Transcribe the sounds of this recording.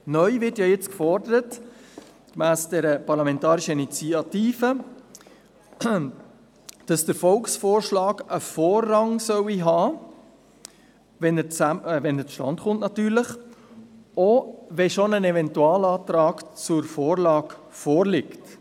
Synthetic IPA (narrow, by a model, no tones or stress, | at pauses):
nœʏvɪrtjɑːjet͡skfɔrdəɾət | kmæːsd̥ɛɾəpɑɾlɑmɛ̃ntɑːɾiʃəinit͡siɑtiːfə | d̥ɑsd̥əɾfɔlksfoːɾʃlɑːɡəfoːrːɑŋsœwiɦɑː | ʋɛnət͡savɛnət͡sʃtɑ̰ntχʊntnɑtyːɾləχ | oʋɛʃonənɛvɛntuɑːlɑːt̪ɾɑːkt͡sʊɾfoːɾlɑːɡ | fɔːɾlɪkt